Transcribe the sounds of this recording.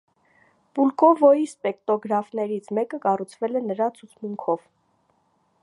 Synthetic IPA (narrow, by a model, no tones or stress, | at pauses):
pulkɔvɔjispɛkt̪ɔɡɾɑfnɛɾit͡sʰmɛkəkɑrut͡sʰvɛlɛnəɾɑt͡sʰut͡sʰmuŋkʰɔv